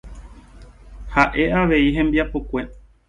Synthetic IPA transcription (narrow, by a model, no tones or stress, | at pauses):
haʔe̞ʔaʋe̞iɦẽ̞mbiapokʷe̞